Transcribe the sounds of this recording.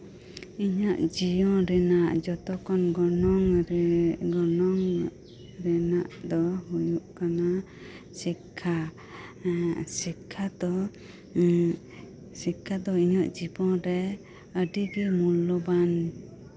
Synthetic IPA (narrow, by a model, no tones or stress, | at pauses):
iɲaʔd͡ʒijɔ̃ɾɛnaʔd͡ʒɔt̪ɔkɔnɡɔnɔŋ | ɡɔnɔŋ | ɾɛnaʔd̪ɔhujuʔkana | sikʰːa | sikʰːad̪ɔ | sikʰːad̪ɔiɲɔʔd͡ʒibɔ̃ɾɛ | əɖiɡimulːɔban